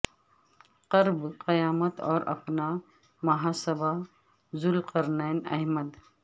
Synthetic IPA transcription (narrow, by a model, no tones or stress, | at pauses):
qɐɾbqəjaːmət̪ɔːɾʔɐ̰pna | mɐɦaːsəba | zʊlqɐɾneːnɐ̰ɦməd̪